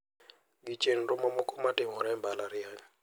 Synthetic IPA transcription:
ɡit͡ʃen̩rɔmɔmɔkɔmatɪmɔɾɛmbalaɾɪaɲ

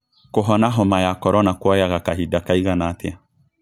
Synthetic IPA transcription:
koɦɔnaɦɔmajakɔɾɔnakwɔjaɣakaɦidakaiɡanatea

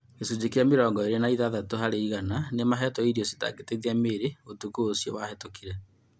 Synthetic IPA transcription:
kesud͡ʑekjameɾɔːŋɡɔeɾenaiðaðatohaɾeiɣananemaɦɛtɔiɾiose̥ta̰ɡeteðiameːɾeotukuːsijɔ̰wahetokiɾɛ

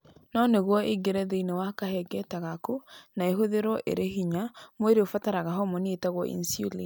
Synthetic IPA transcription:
nɔneɣwɔʔiɡeɾɛðeinewakahɛɡɛtaɣakunaeɦoðeɾɔʔḛɾʔehiɲamweɾeofataɾaɣaɦɔmonetaɣwɔʔḭnsjuli

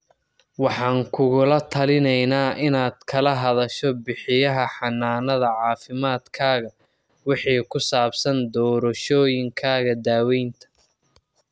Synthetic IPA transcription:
wɑħɑːŋkʰʊɣʊlɐt̪ʰɐlɪnɛjnaːʔɪnaːd̪̥kʰɐlɐɦɐðɐʃɔbɪħɪjɐɦɐħɑnːaːnɐðɐʕɑːfɪmaːd̪kʰaːɣɐ | wɪħiːkʰʊsaːbsɐnd̪ɔːɾɐʃɔːjɪŋkʰaːɣɐd̪aːwɛjnt̪ʰɐ̥

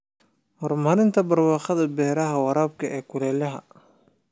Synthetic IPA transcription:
hɔrmɐɾɪnt̪ʰɐbɐrwɑːχɐðɐbɛːɾɐɦɐwɑɾaːb̚kʰɐʔɛːkʰʊlɛːlɐɦɐ̰

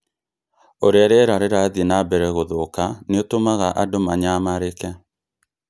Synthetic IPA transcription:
oɾeaɾɛɾaɾeɾaðinabɛɾɛɣoðokaneotomaɣaʔadomaɲamaɾekɛ

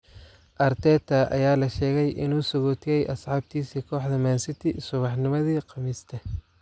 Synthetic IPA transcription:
ʔɐrt̪ʰɛːt̪ʰɐʔɐ̰jaːlɐʃɛːɣɛjʔɪ̰nuːsʊɣɔːt̪ʰɪjɛjʔɐsʕɑːb̚t̪ʰiːsiːkʰɔːħd̪ɐmaːnsɪt̪ʰɪsʊβɑħnɪmɐðiːqɑmɪst̪ʰɐ

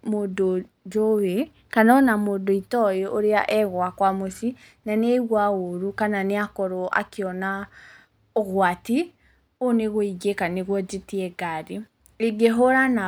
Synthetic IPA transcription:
modo | d͡ʒowe | kanɔnamoːdoitɔjɔʔoɾeaʔɛɣwakwamosi | naneɣwaoɾukananeakɔɾoʔa̰keɔna | ɔɣwati | oneɣoiɡekaneɣwɔd͡ʒetiɛɡaɾi | eɡeɦoɾana

